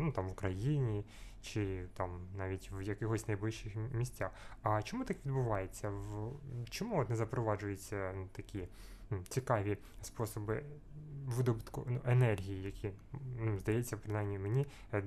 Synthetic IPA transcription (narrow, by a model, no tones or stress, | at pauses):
nut̪ɑmʋʊkɾɐjinʲi | t͡ʃɪt̪ɑmnɑʋʲitʲʋjɐkɪɦɔsʲnɐjblɪʃt͡ʃɪxmʲisʲtʲaxɐt͡ʃɔmut̪ɑkʋʲid̪bʊʋɑjet͡sʲːɐʋt͡ʃɔmuɔt̪nɛzɐpɾɔʋɑʒʊjʊt͡sʲːɐnut̪ɐkʲi | nut͡sʲikɑʋʲi | spɔsɔbɪ | ʋɪd̪ɔbɪt̪kʊ̰nuʔenɛrɦʲijijɐkʲʰinuzd̪ɐjɛt͡sʲːɐpɾɪnɑjmnʲimenʲi